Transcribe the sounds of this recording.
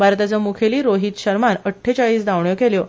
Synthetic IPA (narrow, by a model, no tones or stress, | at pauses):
bʱaɾt̪at͡səmukʰeliːɾoɦiːt̪ɕəɾmanəʈʰːet͡ɕaɭiːsd̪aʋɳjokeljo